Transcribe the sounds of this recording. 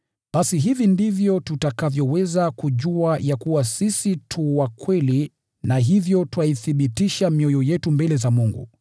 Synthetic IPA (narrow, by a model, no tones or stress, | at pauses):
ɓasiɦivindivjɔtutakavjɔwɛzakuʄuajakuwasisitʰuwakwɛli | naɦivjɔtuwaiθiɓitiʃamiɔjɔjɛtumbɛlɛzamuŋɡṵ